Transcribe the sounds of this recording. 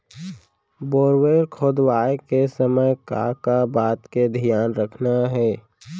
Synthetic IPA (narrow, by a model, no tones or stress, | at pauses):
boːɾweːɾkʰoːd̪waːekesəməjka̰kabaːt̪ked̪ʱijaːnɾəkʰnaɦɛː